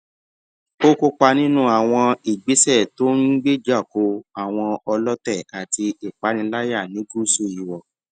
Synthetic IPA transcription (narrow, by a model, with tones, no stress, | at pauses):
o˦ko˧k͡pa˧nĩ˦nũ˦a˨w̃ɔ̃˧i˨ɡ͡bi˨˦sɛ˦˨to˦n̩˦ɡ͡be˦d͡ʒa˦˨ko˨˦a˦˨w̃ɔ̃˧ɔ˧lɔ˦tɛ˦˨a˨ti˧i˨k͡pa˨˦nĩ˧la˦ja˦˨nĩ˨˦ɡu˦so˦˨i˨wɔ˨